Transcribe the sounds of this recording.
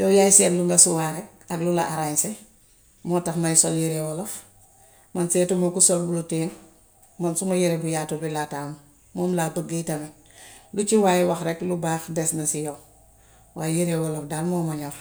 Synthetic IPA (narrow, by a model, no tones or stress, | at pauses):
joːjajsieluŋɡasuwaɾek̚ | aɡlulaʔaɾase | mɔtaxmajsoljiɾewolof | mansetumokusolbuluteːn | mansumajiɾebujatobilataːmu | momlabaɡitamen | lut͡ʃiwaːjiwaxɾeklubaːxdesnasijo | waːjiɾewolofdalmomaɲoɾ